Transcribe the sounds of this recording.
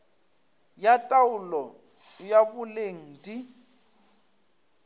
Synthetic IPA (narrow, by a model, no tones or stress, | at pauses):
jatʼawulɔ | jaβuleŋ̩di